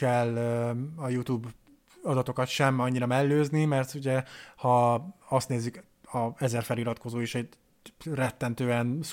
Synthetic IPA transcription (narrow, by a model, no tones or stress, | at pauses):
ɛløɒjut̪uːb | ɒd̪ɒt̪o̞kɒt̪ʃɛmɒɲːiɾɒmɛlːøːznimɛrt̪uɟɛhɒɒst̪neːzːyk | ɒɛzɛrfɛliɾɒt̪ko̞zoːeʃɛɟ | rɛt̪ːɛnt̪øːɛn